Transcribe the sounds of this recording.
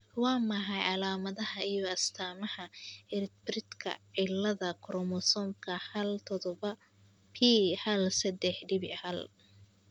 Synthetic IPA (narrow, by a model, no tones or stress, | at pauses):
wɑːmɐɦɐjɑlaːmɐðɐɦɐijɔɐst̪ʰaːmɐhɐɪrt̪brɪd̪kʰɐ̰ʕɪlːɐðɐkʰɾɔmɔsɔːmkʰɐhɐlt̪ʰɔðɔβɐ | pʰiħɐlsɐd̪ɛħɖɪβɪhɐl